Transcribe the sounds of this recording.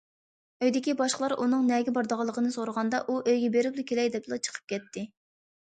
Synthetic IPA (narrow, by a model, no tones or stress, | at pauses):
øjd̪ɪkʲibɑʃqəlˠɑɾʔunɨŋnɛɡʲɛbɑɾd̪əʁɑlˠːəqʰənɨsoɾəʁɑnd̪ɑʔuʔøjɡʲɛbeɾɪplukʲelɛjd̪ɛp̚d̪lɑt͡ʃʰə̥qʰə̥p̚kʲɛt̪ʰːɪ